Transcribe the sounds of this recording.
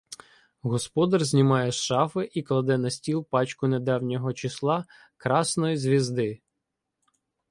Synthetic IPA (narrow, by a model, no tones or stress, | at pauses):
ɦɔspɔd̪ɐrzʲnʲimɑjɛʃɑfɪʔiklˠɐd̪ɛnɐsʲtʲilˠpɑt͡ʃkʊned̪ɑwnʲɔɦɔt͡ʃislˠɑ | kɾɑsnɔjizʲʋʲizd̪ɪ